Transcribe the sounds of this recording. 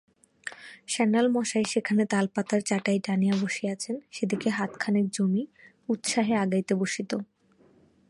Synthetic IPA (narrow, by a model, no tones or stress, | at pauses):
ʃɛnːalmɔʃajʃekʰanet̪alpat̪aɾt͡ɕaʈajʈanijaboʃiat͡ɕʰenʃed̪ikeɦat̪kʰaneɾd͡ʑomi | ut̪ʃaɦeaɡajt̪eboʃit̪o